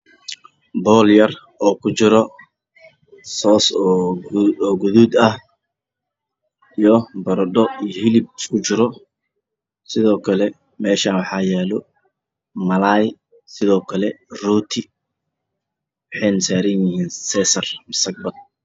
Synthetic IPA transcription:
bɔːljɐr | ɔːkʰʊt͡ʃɪɾɔ | sɔːsːɔːɡʊðuːd̪ɐh | ijɔbɐɾd̪ɔijɔɦɪlɪbskʰʊt͡ʃɪɾɔ | sɪðɔːkʰɐlɛ | mɛːʃaːnwɑħɑːjɛːlɔ | mɐlaːj | sɪðɔːkʰɐlɛruːt̪ʰɪ | wɑħejnɐsaːɾɐnjɪhiːnsɛːsɐrmɐsɐɡ̚bɐl

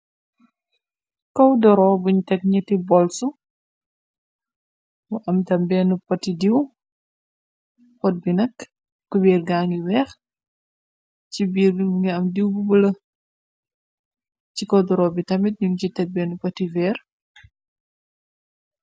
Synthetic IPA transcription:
kɔwdɔɾɔːbuɲtɛk̚ɲitibɔlsu | buʔɐmtɐmbɛnupɐtidiw | xɔt̚binɐk | kubiːrɡaːŋɡiwɛx | cibiːɾŋɡɛɐmdiwbubulɐ | cikɔwdɔɾɔːbitɐmit̚ɲuncitɛk̚bɛnupɐtivɛːr

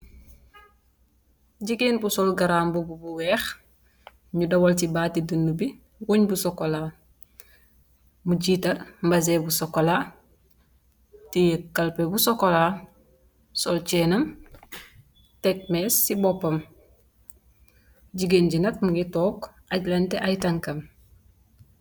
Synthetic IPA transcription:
ɟiɡeːnbusɔlɡaɾaːmbububuwɛːx | ɲudɐwoltibaːtidunːubi | wuɲbusɔkola | muɟiːtɐlmbɐzebusɔkːola | tijekːɐlpebusɔkɔla | sɔlt͡ʃɛnɐm | tɛk̚mɛsːibɔpːɐm | ɟiɡenɟinɐt̚muŋɡitɔːk | aɟlɐnteʔajtɐŋkɐm

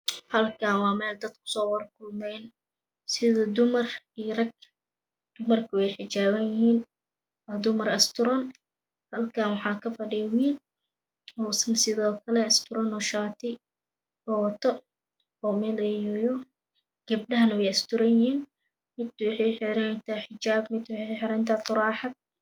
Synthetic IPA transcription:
hɐlkʰaːwɑːmɛːld̪ɐd̪kʰʊ̥sɔːwɐrkʰʊlmɛjn | sɪðɔd̪ʊmɐrirɐɡ̚ | d̪̥ʊmɐrkʰɐwɛjħɪt͡ʃaːβɐnjɪhiːn | wɑːd̪ʊmɐrɐst̪ʰʊɾɐn | hɐlkʰanwɑħɑːkʰɐfɐɖɪjɐwiːl | ɔːsmsɪðɔːkʰɐlɛɪst̪ʰʊɾɔnɔːʃaːt̪ʰɪ | bɔwt̪ʰɔ | ɔːmɛlɛjɔjɔ | ɡ̥ɐb̚ɖɐɦɐnɐwɛjɐst̪ʊɾɐnjɪɦiːn | mɪd̪wɑħɛjħɪɾɛnt̪ʰɐħɪt͡ʃaːbmɪd̪wħɛħɪɾɛnt̪ʰat̪ʊɾɑːħɑd̪̚

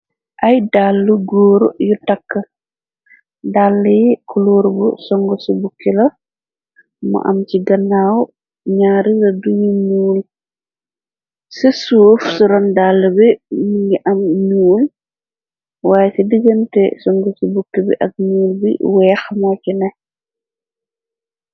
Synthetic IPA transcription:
ʔɐjdalːuɡoːɾujutɐkːə | dalːɐjkuloːɾbusɔŋɡɔsubukːilɐ | mɐ̰ʔɐ̰mciɡɐnːaw | ɲaːɾilɐduɲuɲuːl | sesufsuɾɔndalːəbimiŋɡiʔɐmɲuːl | waːjɛsidəɡəntɛ̰sɔŋɡɔsubukːibḭʔɐ̰k̚ɲuːlbḭwɛːxmacinɛ

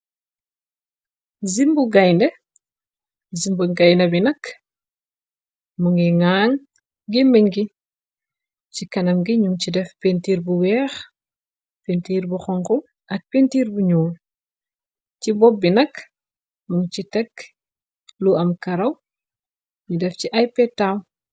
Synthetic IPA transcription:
zimbuɡɐjndɛ | zimbuɡɐjnɐbinɐk | muŋiŋaːŋ | ɡimɛŋɡi | cikɐnɐmɡiɲuŋcidɛfpentiːɾbuwɛːx | pentiːɾbuxɔŋku | ʔɐk̚pentiːɾbuɲuːl | cibɔbːinɐk | muŋt͡ʃitɛk | luʔɐmkɐɾɐw | ɲudɛfciʔɐjpɛtaw

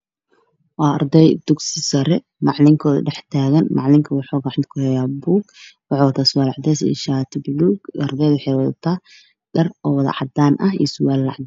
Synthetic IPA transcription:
wɑːrd̪ɛjd̪ʊɡsɪsɐɾɛ | mɑʕlɪŋkʰɔːðɐ̰ɖħt̪ʰaːɣɐnmɑʕlɪŋkʰɐwʊħɔːɣaʕɪnt̪kʰʊhɛjaːbuːɡwɑħwɐt̪ʰaːsʊwaːlɑʕd̪ɛːsɛ̰ʃat̪ʰbluɡɐrd̪ɛjðwħɛjwɐðt̪ʰaː | ɖɐrɔːwɑðɐ̰ʕɑd̪aːnʔɐɦḭsʊwaːlːɑ̰ʕd̪

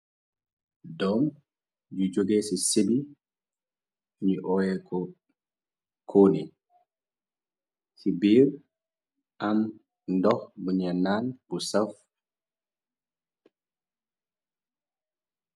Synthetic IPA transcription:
dɔm | d͡ʒud͡ʒoɡeːsisibi | ɲiʔɔwɛkʰɔ | kʰoːnḭ | sibiɾ | ʔam | ndɔhbuɲɛnːanbusaf

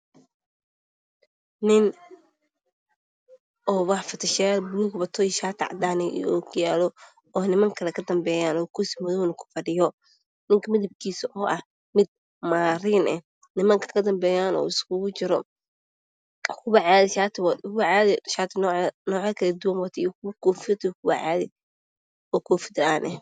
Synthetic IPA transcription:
nɪn | ʔɔːwɑħfɐt̪ʰɪʃɛlbluːɡbɐt̪ʰɔjʃaːt̪ʰɪʕɑ̰d̪aːnɛ̰ɔːkʰjaːlɔ | ɔːnɪmɐŋkʰɐlɛkʰɐd̪ɐmbɛːjaːnɔːkʰʊsɪmɔðɔːnɐkʰʊ̥fɐɖɪjɔ | nɪŋkʰɐmɪðɐb̚kʰiːsɐʔɔːʔɐh | mɪd̪̚ | maːɾɪnɛ | nɪmɐŋkʰɐ̥kʰɐd̪ɐmbɛːjaːnɔ̰ːɪskʊɣʊt͡ʃɪɾɔ | kʰʊβɐʕaːðɪʃaːt̪ʰɪwkʊwɐʕaːðɪʃaːt̪ʰɪnnɔːʕaːkʰɐlɐd̪ʊwɐnwɐt̪ʰijkʰʊkʰɔːfɪd̪ikʰʊwɐ̰ʕa̰ːðɪ | ʔɔːkʰɔːfɪ̥d̪aːnʔɛh

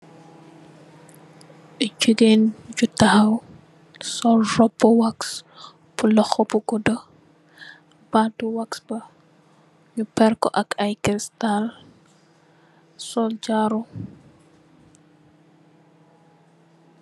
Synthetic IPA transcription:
ʔət͡ʃːuɡend͡ʒutːahaw | sɔlrɔbɔwaks | pulɔxɔbɔɡɔdɔ | batuwaksbɐ | ɲupɛɾkɔ̰ʔɐkajkɾistal | sɔld͡ʒaɾu

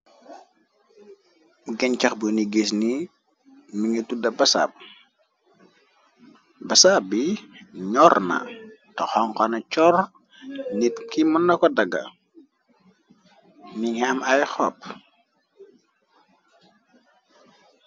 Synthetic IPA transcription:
ɡɛɲt͡ʃɐxbəniɡesni | miŋətudɐbɐsa̰ːp̚ | bɐsabːiɲɔrnɐ̰ | tɔxɔŋkɔnɐt͡ʃɔr | nitkimɔnːɐkɔdɐɡɐ̰ | niŋiɐmɐjxɔp̚

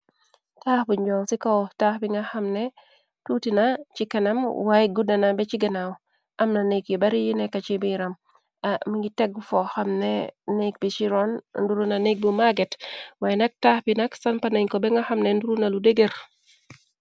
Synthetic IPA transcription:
taːxbuɲd͡ʒɔsikɔwtaːhbiŋɡaxamnɛ | tutinat͡ʃikɐnamwajɡudanabɛt͡ʃiɡɐnaw | ʔamnanekjɔbaɾijinɛkat͡ʃibiɾam | amiɡitɛɡ̚fɔxamnɛnek̚bit͡ʃiɾɔnnduɾunanek̚bimaɡɛtwajnak̚taːhbinaksanpanaɲkɔbɛŋɡaxamnɛnduɾunaludeɡeɾ

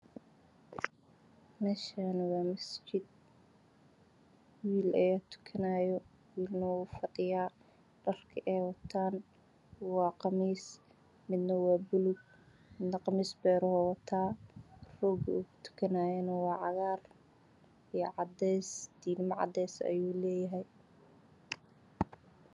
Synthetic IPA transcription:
mɛːʃɐnɐwɑːmɐst͡ʃɪd̪̚ | wiːlɐjaːt̪ʰʊ̥kʰɐnaːjɔ | wiːlnɐuːfɐɖɪjaː | ɖ̥ɐrkʰɐʔɛːwɑt̪ʰaːn | wɑːqɑmiːs | mɪd̪nɐwɑːbʊlʊɡ̚ | mɪd̪nɐqɑmiːsbɛːɾɔhɔwɑt̪ʰaːrɔːɡut̪ʰʊ̥kʰɐnaːjɛnɐwɑːʕɑɣaːr | ijʕɑd̪ɛjsd̪̥iːnmɐʕɑ̰d̪ɛːsɐ̰juːlɛːjɐɦɛj

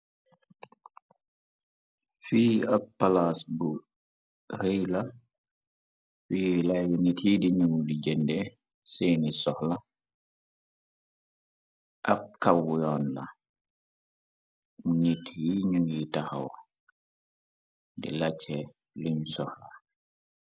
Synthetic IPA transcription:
fiːapːalasbu | ɾejla | filajunitidiɲuwulid͡ʒɛndɛ | seːnisɔhla | ʔab̚kawːjɔːnla̰ | munitjiɲuŋjitahawa̰ | dḭlat͡ʃːɛ | luɲsɔhla

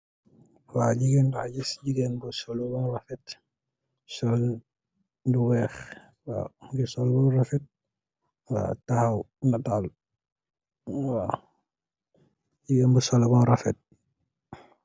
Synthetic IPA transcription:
waɟiɡɛndaɟisɟiɡɛnbusɔlubɔnrafɛt | sɔl | nduwɛx | wa̰ŋɡisɔlbɔrafɛt̚ | wa̰tahaw | natal | wa | ɟiɡɛnbusɔlɔbɔnɾafɛt̚

